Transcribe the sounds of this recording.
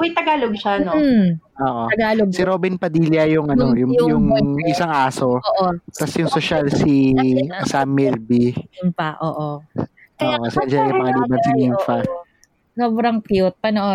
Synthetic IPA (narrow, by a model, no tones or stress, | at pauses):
wɛjt̪ɐɡaːloɡ̚ʃanoʔoːʔoɐɡaːloɡ̚siɾobɪnpɐd̪iljɐjʊŋʔɐnojʊŋjʊŋɪsaŋʔaːso̞oʔot̪ɐsjʊŋsoʃalsi | samːɛlbimfɐʔoːʔo | ʔoːʔosɪɐnd͡ʒɐljɐmɐŋɐliːbɐnsɪnimfɐ | soːbɾɐŋpjʊt̪̚pɐnoʔo